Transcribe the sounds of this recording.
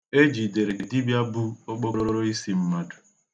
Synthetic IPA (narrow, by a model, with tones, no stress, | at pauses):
e˦d͡ʒi˨de˨ɾe˨di˦bja˦bu˦o˦k͡po˦ɾo˦ɾo˦ɾo˦i˦si˦m̩˦ma˦du̥˨